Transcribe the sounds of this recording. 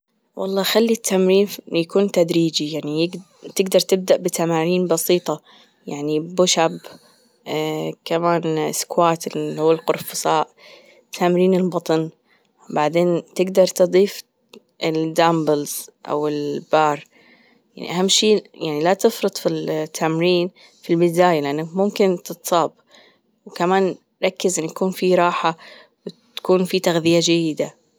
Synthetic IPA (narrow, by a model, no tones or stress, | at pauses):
wʔɑ̰lˤːɑːxalːit̪ʰːamɾiːnjakuːnt̪ad̪ɾiːd͡ʒijaʕnijɪɡ | t̪ɪɡd̪ɑɾˤt̪ɪb̚d̪aʔbɪt̪ʰamaːniːnbɑsiːt̪ˤɑ | jaʕnibʊʃab | kamaːnɪskwaːt̪ɪhuwːalqʊɾfʊsaːʔ | t̪ʰːamɾiːnɪlbɑt̪ˤn | wbaʕd̪eːnt̪ɪɡd̪ɑɾˤt̪ɨd̪ˤiːf | ʔɪld̪ambɪlz̥ʔa̰wɪlbɑːrˤ | jaʕnḭʔahamːʃiːjaʕnilat̪ɪfɾɨd̪ˤfilt̪ʰːaːmɾiːn | filbɪd̪aːjalɪʔanːakmʊmkɪnt̪ɨt̪sˤɑːb | wkamaːn | ɾˤɑkːɪzʔɪnːʊjakuːnfiɾˤɑːħa | wt̪ḁkuːnfit̪aɣðɪjad͡ʒajːɪd̪a